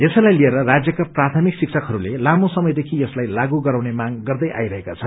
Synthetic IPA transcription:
esʌjlajlieɾʌrad͡zjʌkaprat̪ʰʌmiksik̚sʰʌkɦʌɾulelamosʌmʌjd̪ekʰijʌslajlaɡuɡʌɾawnemaɡɡʌrd̪ʌjʔa̰jɾʌɦekat͡sʰʌn

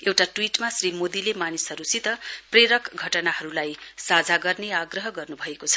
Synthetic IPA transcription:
ewʈaʈwiʈmasrimod̪ilemanisɦʌɾusit̪ʌpreɾʌkɡʱʌʈʌnaɦʌɾulajsad͡zʱaɡʌrneaɡrʌɦʌɡʌrnubʱʌekot͡sʰʌ̥

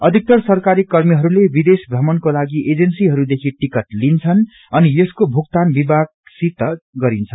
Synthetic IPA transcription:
ʌd̪ʱik̚t̪ʌrsʌrkaɾikʌrmiɦʌɾulebid̪esbrʌmʌnkolaɡiʔed͡zʌnsiɦʌɾud̪ekʰiʈikʌʈlint͡sʰʌn | ʌnijʌskobʱuk̚t̪anbibaɡ̚sit̪ːʌɡʌɾint͡sʰʌn

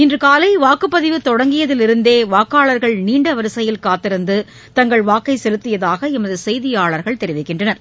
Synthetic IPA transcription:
ɪndrɯkaːlɐɪʋaːkɯpːɐðɪʋɯt̪ɔɽɐŋɡɪjɐðɪlɪɾɯnd̪eːʋaːkaːɭɐɾɣɐɭniːɳɖɐʋɐɾɯsɐjɪlkaːt̪ːɪɾɯnd̪ɯ | t̪ɐŋɡɐɭʋaːkːɐɪsɛlɯt̪ːɪjɐðaːɣɐɪmɐðɯsɛjðɪjaːɭɐɾɣɐɭt̪ɛɾɪʋɐɪkːɪɳdrɐnɐɾ

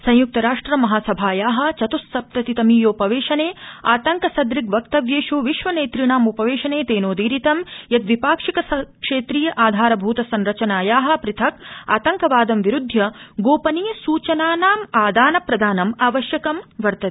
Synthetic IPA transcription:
sɐ̃jjuk̚t̪ɐɾaːʂʈɾɐmɐɦaːsɐbʱaːjaːɦɐ̆t͡ʃɐt̪usːɐp̚t̪ɐt̪it̪ɐmiːjoːpɐʋeːʃɐneːaːt̪ɐŋkɐsɐd̪ɾikʋɐk̚t̪ɐʋjeːʃuʋiʃʋɐneːt̪ɾiɳaːmupɐʋeːʃɐneːt̪eːnoːd̪iːɾit̪ɐmjɐt̪ʋipaːkʂikɐsɐkʂeːt̪ɾiːjɐʔaːd̪ʱaːɾɐbʱuːt̪ɐsɐnɾɐt͡ʃɐnaːjaːɦɐ̆pɾit̪ʰɐka̰ːt̪ɐŋkɐʋaːd̪ɐmʋiɾud̪ʱjɐɡoːpɐniːsuːt͡ʃɐnaːnaːmaːd̪aːnɐpɾɐd̪ʱaːnɐmaːʋɐʃjɐkɐmʋɐɾt̪ɐt̪i̥

